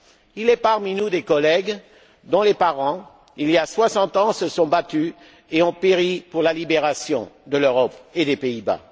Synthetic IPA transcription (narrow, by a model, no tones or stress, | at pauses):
ilɛpaʁminud̪ekɔlɛɡ | d̪ɔ̃lepaʁɑ̃ | iliaswasɑ̃t̪ɑ̃səsɔ̃bat̪y | eɔ̃peʁipuʁlalibeʁasjɔ̰̃d̪əløʁɔped̪epeiba̰